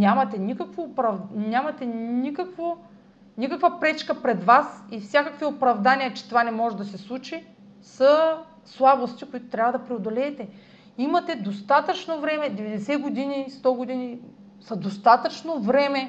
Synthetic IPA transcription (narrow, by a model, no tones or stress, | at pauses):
nʲamɐt̪ɛnʲikɐkvoːpɾɐvnʲamɐt̪ɛnikəkvo | nikɐkvɐpɾɛt͡ʃkɐpɾɛd̪vasifsʲakɐkviopɾɐvd̪anijɐt͡ʃɛ̥t̪ovanɛmɔʒɛd̪ɐsɛslˠut͡ʃi | sɐ | slˠabost̪ikoit̪o̥t̪ɾʲavɐəd̪ɐpɾɛod̪olɛːt̪ɛ | imɐt̪ɛd̪ost̪at̪ət͡ʃnovɾɛmɛd̪ɛvɛd̪ɛsɛɡod̪inist̪ɔɡod̪ini | sɐd̪ost̪at̪ət͡ʃnovɾɛmɛ